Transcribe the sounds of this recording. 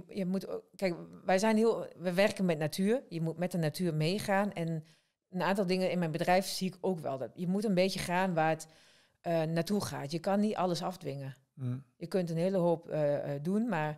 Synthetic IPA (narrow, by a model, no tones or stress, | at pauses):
jəmutkɛjkʋɛjsɛjnhiəlˠʋɛjʋɛrkənmɛtnatʰyːəɹjəmut̚mɛt̚dənatʰyːɹmeːχaːnɛn | ənaːntɔlˠdɪŋənɪnmɛjnbədrɛjfsiɪkʰoːkʋɛ̰lˠdjəmutənbeːtjəχaːnʋaːət | ənaːtuχa̰ːtjəkɑnːitʔɑləsɑfdʋɪŋə | jəkøntənheːləɦoːpːdunmaɹ